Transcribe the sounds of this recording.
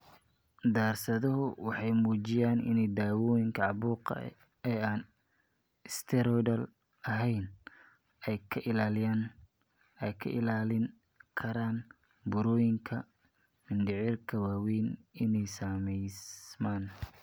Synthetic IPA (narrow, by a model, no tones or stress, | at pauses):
d̪aːrsɐðɐɦʊwɑħɑjmuːt͡ʃɪjaːnɪ̰nɛjd̪aːwɔːjɪŋkʰɐʕɑβuːqɐ̰ | ɛaːn | ɪst̪ʰɛɾɔjdɐl | ɐɦɛjn | ɛjkʰɐʔɪlaːlɪjaːn | ɛjkʰɐʔɪlaːlɪŋ | kʰɐɾaːn | bʊɾɔːjɪŋkʰɐ | mɪnɖɪʕiːrkʰɐwaːwiːnɪnɛjsaːmɛjsmaːn